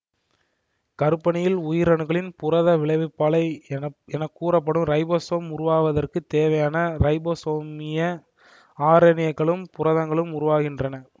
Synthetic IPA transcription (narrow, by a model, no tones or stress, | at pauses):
kɐɾɯpːɐɳɪjɪlʊjɪɾɐɳɯɣɐɭɪnpʊrɐðɐʋɪɭɐɪʋɯpːaːɭɐɪɛnɐkːuːɾɐp̬ːɐɽɯmɾɐɪboːsoːmʊɾʊʋaːʋɐðɐrkɯt̪eːʋɐjaːnɐɾɐɪboːsoːmɪjɐ | aːɾɐnɪjɐɣɐɭɯmpʊrɐðɐŋɡɐɭɯmʊɾʊʋaːɣɪndrɐnɐ